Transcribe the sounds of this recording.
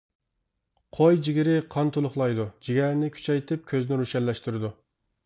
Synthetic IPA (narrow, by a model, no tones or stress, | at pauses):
qʰojd͡ʒiɡʲɪɾɪqʰɑnt̪ʰolˠʊχlˠɑjd̪ud͡ʒiɡʲæɾnɪkʲʰy̥t͡ʃʰɛjt̪ʰɪp̚kʲʰøznɪɾuʃɛnlɛʃt̪yɾɪd̪u